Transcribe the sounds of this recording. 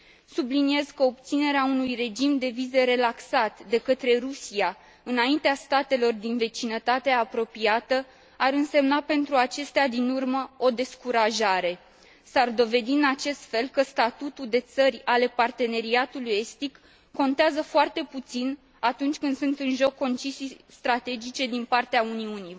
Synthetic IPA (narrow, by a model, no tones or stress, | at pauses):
sublinie̞z̥kəob̚t̪sine̞ɾeaunujre̞d͡ʒimd̪e̞vize̞ɾe̞laksat̪d̪e̞kət̪ɾe̞rusia | ɨnaint̪east̪at̪e̞lo̞rd̪inve̞t͡ʃinət̪at̪e̞apɾo̞piat̪ə | aɾɨnse̞mnape̞nt̪ɾuat͡ʃe̞st̪ead̪inurməo̞d̪e̞skuɾaʒaɾe̞ | sard̪o̞ve̞d̪iɨnat͡ʃe̞st̪fe̞lkəst̪at̪ut̪uld̪e̞t̪sərʲale̞part̪e̞ne̞ɾiat̪uluje̞st̪ikː | o̞nt̪eazəfoart̪e̞put̪sin | at̪unt͡ʃʲkɨnd̪sunt̪ɨnʒo̞kːo̞nt͡ʃisijst̪ɾat̪e̞d͡ʒit͡ʃe̞d̪inpart̪eauniuni